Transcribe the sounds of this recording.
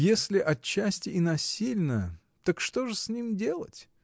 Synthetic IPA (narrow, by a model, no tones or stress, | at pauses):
jesʲlʲɪʔɐt͡ɕːæsʲtʲɪɪnɐsʲilʲnəə | t̪ɐkʂt̪oʐɨsʲnʲimdʲe̞lˠə̰tʲ